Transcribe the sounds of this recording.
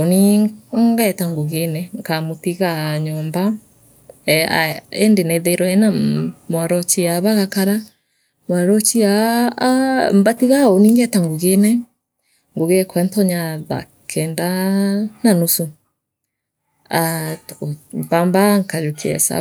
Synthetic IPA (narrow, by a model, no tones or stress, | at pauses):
oniŋɡɛtaŋɡoɣenɛŋkamotiɣaɲɔmba | aɛndenɛðɛɾɔɛnamwaɾɔt͡ʃiaβaɣakaɾa | mwaɾɔt͡ʃia | mbatiɣaoniŋɡɛtaŋɡoɣenɛ | ŋɡoɣɛkʰwɛntɔɲaða̰ | kʰɛndananusu | a | bambaŋkaɾokiɛ̰sa̰